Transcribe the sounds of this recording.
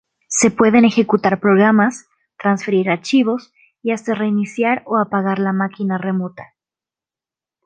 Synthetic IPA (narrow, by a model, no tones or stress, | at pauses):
se̞pwe̞ðe̞ne̞xe̞kut̪aɾpɾo̞ɣ̞ɾamas | t̪ɾansfe̞ɾiɾaɾt͡ʃiβ̞o̞s | iast̪are̞inisjaɾo̞apaɣaɾlamakinare̞mo̞t̪ḁ